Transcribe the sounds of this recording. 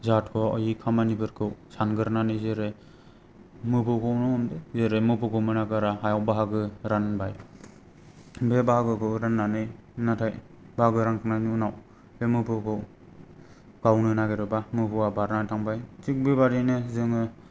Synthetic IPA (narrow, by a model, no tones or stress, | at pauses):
zatʰkʰɔɔjikʰamanibɯɾkʰɯwsanɡɯɾnanɯjzeɾe | mɯpʰɯwkʰɔwnɔɔmdezeɾemɯpɯkʰɯwmɯnaɡɯɾaɦajawbaɦaɡɯɾanbaj | bebaɦaɡɯkʰɯwɾanːanɯjnatʰaj | baaɡɯɾaŋkʰɯnajniunaw | bemɯpʰɯkʰɯw | ɡ̥awnɯnaɡeɾɯbamɯpʰɯwabaɾnatʰaŋbajtik̚bebaɾinɯzɯŋɯ